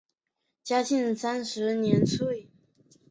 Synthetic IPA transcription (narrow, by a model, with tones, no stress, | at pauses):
t͡ɕja˥t͡ɕi˥˩nsa˥nʂɻ̩˧˥njɛ˧˥nt͡sʰwe˥˩ɪ